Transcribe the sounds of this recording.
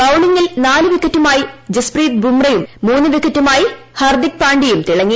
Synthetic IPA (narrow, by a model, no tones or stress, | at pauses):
bɐwɳiŋːilnaːlɨʋikʰːɐtːumaːjid͡ʑespriːt̪̚bʱumrɐjumːuːnːɨʋikːɐtːumaːji | hɐrd̪ik̚paːɳɖijumt̪iɭɐŋːi